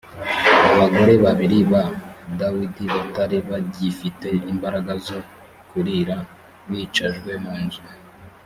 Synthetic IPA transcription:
aβaɡo̞ɾe̞βaβiɾiβadawidiβataɾiβaɟifite̞imbaɾaɡazo̞ | kuɾiɾa | βit͡ʃaʒɡwe̞muːnzuɾa

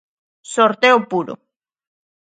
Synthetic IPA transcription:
soɾt̪eopuɾo̰

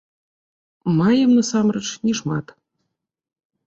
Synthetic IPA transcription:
mɑjɤ̆mnɤ̆sɑmrɤ̆ʃnʲiʃmɑ̰t̪

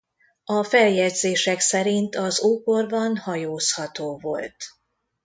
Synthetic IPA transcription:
ɒfɛljɛd̪zeːʃɛksɛɾint̪ɒzuːpo̞rbɒnhɒjoːshɒt̪oːvo̞̰lt̪

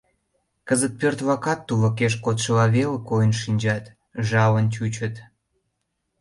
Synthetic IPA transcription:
kəzət̪̚pørt̪βɑkɑt̪ːuβə̆keʃkot̪ʃəlɑβelkojənʃinʲd͡ʑɑt̪ | ʒɑβənt͡ɕut͡ɕət̪

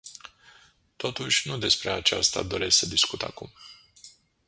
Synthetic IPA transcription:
t̪o̞t̪uʃʲnud̪e̞spɾe̞at͡ʃast̪a̰d̪o̞ɾe̞ssəd̪iskut̪a̰kum

